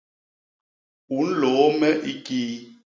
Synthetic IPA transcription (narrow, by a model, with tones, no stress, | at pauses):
u˨˦n̩˦lo˨˦mɛ˦ʔi˦kiː˦